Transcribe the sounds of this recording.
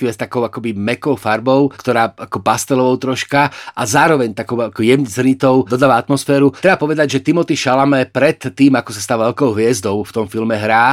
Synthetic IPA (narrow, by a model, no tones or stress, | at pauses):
ʋɛst̪akɔʊakɔbimɛkɔʊfaɾbɔʊkt̪ɔɾaːakɔpast̪ɛlɔʋɔʊt̪ɾɔʃkaʔazaːɾɔʋɛɲt̪akɔʊakɔjɛzɾit̪ɔʊd̪ɔd̪aːʋaat̪mɔsfɛːɾuɾɛbapɔʋɛd̪aɟʒɛt̪imɔt̪iʃalamɛpɾɛt̪ːiːmakɔsast̪aːʋaʋɛlkɔʊɦʋɪɛzd̪ɔʊft̪ɔmfilmɛɦɾaː